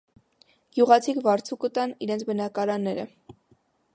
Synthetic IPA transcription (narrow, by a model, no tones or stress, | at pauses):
ɡ̥juʁɑt͡sʰikvɑɾt͡sʰukət̪ɑniɾɛnt͡sʰbənɑkɑɾɑnːɛɾə̰